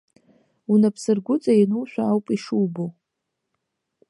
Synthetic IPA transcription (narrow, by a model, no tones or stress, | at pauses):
unapʰsɨrɡʷʊt͡sʼajinulʃʷᶣaawpʼiʂuːbo